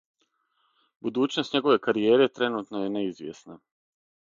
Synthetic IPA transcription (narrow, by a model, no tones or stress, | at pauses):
bud̪uːt͡ɕnost̪ɲe̞ɡo̞ʋe̞kaɾie̞ːɾe̞t̪ɾe̞nuːt̪nojeneizʋʲjḛsna